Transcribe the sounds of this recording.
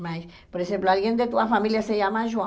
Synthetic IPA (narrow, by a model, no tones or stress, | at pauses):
majs | poɾexemploalɣjend̪et̪uafamiljaseʝamaʒwa